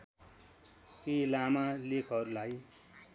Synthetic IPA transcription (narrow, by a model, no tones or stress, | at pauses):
kelamalekʰʌɾulaj